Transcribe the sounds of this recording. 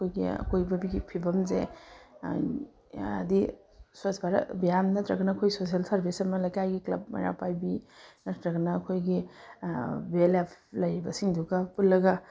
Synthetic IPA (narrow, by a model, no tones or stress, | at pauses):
ɐkʰojɡḭɐ̰kʰojbɐbiɡipʰibɐmze | ɐ̰di | swosbaɾɐ̰bijamnɐt̪ɾɐɡɐnɐːkʰojsos̬ielsɐɾbʱisɐmɐlɐjkajɡiklɐb̚mɐ̰ɾa̰pajbinɐt̪ɾɐɡɐnɐːkʰojɡi | belapʰlɐjɾibɐsiŋdukɐpulːɐɡɐ